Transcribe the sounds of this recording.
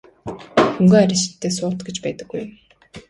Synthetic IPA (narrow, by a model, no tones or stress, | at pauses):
xɵŋɡoːæɾʲɪ̆sɪ̥̆t̪ːeːsʊːt̪ɡet͡ɕpæːt̪ə̥̆ɡːujm